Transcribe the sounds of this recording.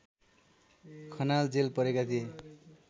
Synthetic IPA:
kʰʌnald͡zelpʌɾekat̪ʰije

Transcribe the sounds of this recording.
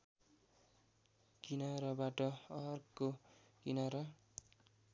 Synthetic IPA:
kinʌɾʌbaʈʌʌɦrkːokinʌɾʌ

